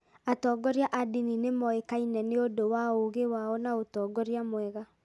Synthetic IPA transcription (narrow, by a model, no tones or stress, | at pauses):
atɔɡɔɾjaʔadininemɔekainɛneodowaoɣewaɔnaotɔːɡɔɾiamwɛɣa